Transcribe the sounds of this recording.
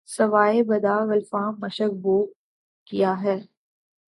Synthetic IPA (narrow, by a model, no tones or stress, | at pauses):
sɐʋaːebɐd̪aːʋɐlfãːmːɐʃək̚boː | kijaɦɛː